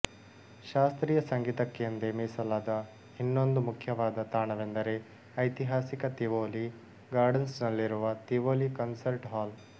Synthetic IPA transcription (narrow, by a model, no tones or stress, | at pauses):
ʃaːst̪ɾiːjɐsɐŋɡiːt̪ɐkːejɐnd̪emiːsɐlaːd̪ɐ | hinːo̞nd̪umukʰjɐʋaːd̪ɐt̪aːɳɐʋend̪ɐɾe̞ | ɐjt̪iɦaːsikɐt̪iʋoːli | ɡaːɾɖɐnsnɐlːiɾuʋɐt̪iʋoːlikɐnsɐɾʈɦaːl